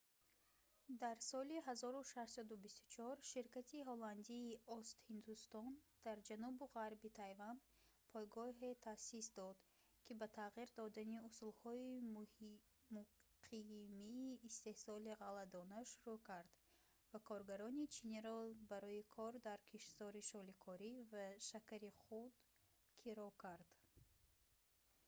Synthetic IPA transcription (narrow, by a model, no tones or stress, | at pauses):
d̪aɾsɔliɦazɔɾuʃaʃsad̪ubist̪u̥t͡ʃʰɔɾʃiɾkat̪ʰiɦoland̪iːɔst̪hind̪ust̪ɔnd̪̥aɾd͡ʒanubuʁaɾbit̪ʰajvand̪ | pʰɔjɡɔɦet̪ʰasisd̪ɔd̪ | kʲʰibat̪ʰaʁiɾd̪ɔd̪aniusulhɔi | muqʰimiːst̪e̞hsɔliʁalad̪ɔnaʃuɾukʰaɾd̪̥ | vakʰɔɾɡaɾɔnit͡ʃʰiniɾɔbaɾɔikʰɔɾd̪aɾkʰiʃzɔɾiʃɔlikʰɔɾivaʃakaɾiχud̪ | kʰiɾɔkʰaɾd̪̥